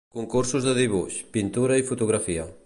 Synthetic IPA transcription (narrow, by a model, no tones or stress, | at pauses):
koŋkuɾsʊzðɪðiβuʃpint̪uɾaifut̪uɣɾafiɐ